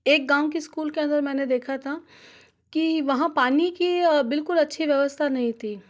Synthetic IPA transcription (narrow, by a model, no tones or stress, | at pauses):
eːk̚ɡãːwk̬iskuːlkeɐ̃nd̪əɾmɛ̃ːned̪eːkʰat̪ʰa | kiʋɐɦãpaːnikibɪlkʊlɐtːʃʰiʋjɐʋəst̪ʰanɐɦĩt̪ʰiː